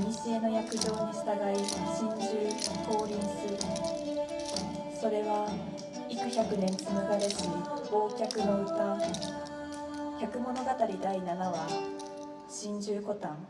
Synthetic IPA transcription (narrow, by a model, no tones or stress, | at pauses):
mʲise̞ːno̞jakɯ̟ʑo̞ːɲisɨ̥t̪aɡaiɕĩɲ̟d͡ʑɨːko̞ːɾʲĩɰ̃sɨ | so̞ɾe̞βa | ikɯ̟çakɯ̟nẽ̞nt͡sɨmɯɡaɾeɕio̞ːkʲakɯ̟noɯkãŋ | çʲakɯ̟mo̞no̞ɡat̪aɾʲid̪ainanaβa | ɕĩɲd͡ʑɨːko̞t̪ãŋ